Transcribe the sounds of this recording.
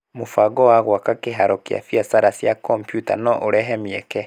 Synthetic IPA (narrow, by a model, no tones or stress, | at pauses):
mofaɡɔwaɣwakakeɦaɾɔkea̰fiasaɾasjakɔmpjuta̰nɔʔoɾɛɦɛmiɛkɛ